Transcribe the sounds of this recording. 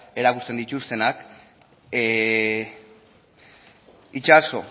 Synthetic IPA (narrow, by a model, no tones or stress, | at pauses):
e̞ɾakust̪e̞nd̪it̪ust̪e̞nak | it͡ʃaso̞